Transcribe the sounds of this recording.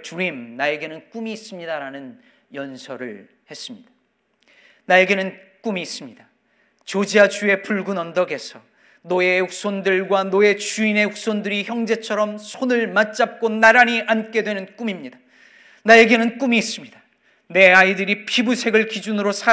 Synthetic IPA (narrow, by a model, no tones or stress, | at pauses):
t͡ɕuɾimnae̞ɡe̞nɯnk͈umiːs͈ɯmɲidaɾanɯn | jʌnsʰʌɾɯ̰ɭ | he̞s͈ɯmɲid̥ḁ | naje̞ɡe̞nɯnk͈umiːs͈ɯmɲida | t͡ɕod͡ʑiad͡ʑue̞puɭɡunʌndʌɡe̞sʰʌ | noe̞u̥s͈ʰondɯɭɡwanoe̞t͡ɕuine̞ɸu̥sʰondɯɾiçjʌŋd͡ʑe̞t͡ɕʰʌɾʌmsʰonɯɭmat͡ɕ͈ap̚k͈onaɾaɲiʔank͈e̞dwe̞nɯnk͈umimɲida | nae̞ɡe̞nɯnk͈umiːs͈ɯmɲid̥a | ne̞aidɯɾipʰibusʰe̞ɡɯɭkid͡ʑunɯɾosʰa